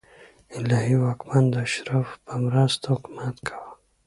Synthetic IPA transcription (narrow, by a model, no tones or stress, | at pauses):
ɪlahiwakmand̪əaʃɾafpəmɾast̪ahʊkmat̪kʰḁwa